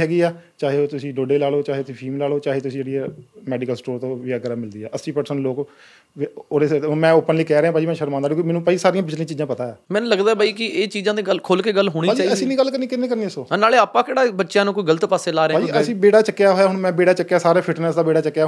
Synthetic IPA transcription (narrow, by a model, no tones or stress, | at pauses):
ɦɛːɡiːaːt͡ʃaːɦeːoːt̪ʊsĩːɖoːɖeːlaːloːt͡ʃaːɦeːt̪ʊsĩːpʰiːmlaːloːt͡ʃaːɦeːt̪ʊsĩd͡ʒeːɽiːɛːmɛːɖɪkəlsʈoːɾt̪õːʋiːaːɡɾaːmɪld̪iːɛ̰ːʔəsːiːpəɾsənloːk | oːɾemɛ̃ːoːpənliːkɛːɾeãpaːd͡ʒiːmɛ̃ːʃəɾmãːnd̪ːɾokːmɛːnũːpaːiːsaːɾijãːbɪt͡ʃlĩːt͡ʃiːd͡ʒãːpət̪aːɛːmɛ̃ːñləɡd̪aːɛːbaːiːkɪeːt͡ʃiːzãːd̪eːɡəlkʰoːlkeːɡəlɦoːɽiːaːt͡ʃaːəsĩːnĩːɡəlːkəɾniːkɪnːeːkəɾniːəsoːnaːleːaːpãːkeːɽaːbətːʃjãːnũːkoiːɡələt̪paːseːlaːɾẽːaːiəsĩːbeːɽaːt͡ʃəkːejaːɦoːjaːɦʊɳmɛ̃ːbeːɽaːt͡ʃəkːejaːsaːɾeːpʰɪʈnəsd̪aːbeːɽaːt͡ʃəkːjaː